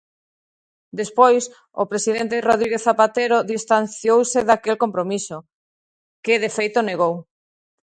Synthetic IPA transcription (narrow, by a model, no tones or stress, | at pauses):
d̪espojs | ʊ̰pɾesiðent̪eroðɾiɣeθapat̪eɾoðist̪an̟θjowseðakelkõmpɾomiso | kɪðefejt̪oneɣow